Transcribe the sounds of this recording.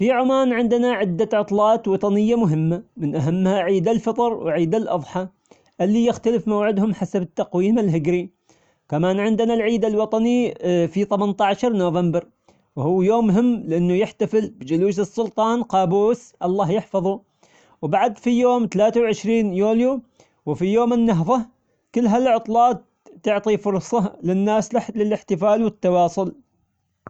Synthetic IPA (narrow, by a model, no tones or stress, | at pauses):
fiʕʊmaːnʕɪnd̪naʕɪd̪ːaʕʊt̪ˤlɑːt̪wɑt̪ˤɑnɪjːamʊɦɪmːamɪnʔaɦamːhaʕiːd̪alfɑt̪ˤɑɾˤwʕiːd̪alʔɑ̰ðˤħɑ | ʔɪlːiːjɪxt̪alɪfmawʕɪd̪hʊmħasabɪt̪ːɑqwiːmɪlɦɪɡɾi | kamaːnʕɪnd̪nalʕiːd̪alwɑt̪ˤɑnifit̪ˤɑmant̪aʕaʃɑɾˤnoːvambɪɾ | whuːjoːmːɦɪmːlɪʔɪnːʊjɪħt̪afɪlbd͡ʒʊluːsɨsˤːʊlt̪ˤɑːnqɑːbuːsʔɑlˤːɑːhjɪħfɑðˤu | wbaʕad̪fijoːmt̪alaːt̪awʕɪʃɾiːnjuːlju | wfijoːmɪnːaɦfa | kɪlːɦalʕʊt̪ˤlɑːt̪ː | ʊʕt̪ˤifʊɾˤsˤɑlɪnːaːslɪlɪlɪħt̪ɪfaːlwɪt̪ːɑwɑːsˤʊl